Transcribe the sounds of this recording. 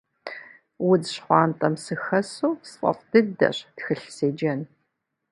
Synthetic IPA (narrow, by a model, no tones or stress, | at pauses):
wʊdɕχʷɑːntʼɐmsɨxɐsuːsqʷʼɐ̰qʼd̥ɨdɐ̰ɕtxɨɬseːd͡ʒɐn